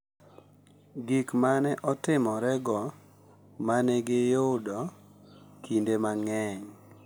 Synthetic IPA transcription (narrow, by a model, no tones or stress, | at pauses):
ɡikmanɛʔɔtɪmɔɾɛɡɔ | manɛɡɪjʊdɔ | kʰindemaŋɛɲ